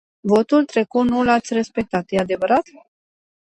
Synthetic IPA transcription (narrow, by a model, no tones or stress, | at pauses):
vo̞t̪ult̪ɾe̞kut̪nulat̪sʲre̞spe̞k̚t̪at̪jead̪e̞vəɾat̪